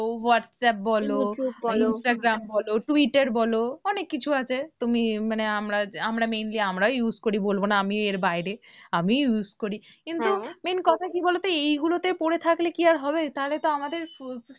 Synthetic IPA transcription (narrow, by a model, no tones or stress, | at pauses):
owɔʈsɛp̚bɔloinsʈaɡɾambɔloʈwiʈaɾbɔloɔnekːit͡ɕʰuat͡ɕʰet̪umimaneamɾaamɾamejnliamɾaojuzkoɾibolbonaamieɾbajɾeamijuzkoɾikint̪umenkɔt̪ʰakibɔlot̪eejɡulot̪eɾpoɾet̪ʰaklekiaɾɦɔbet̪aɦolet̪oamad̪eɾ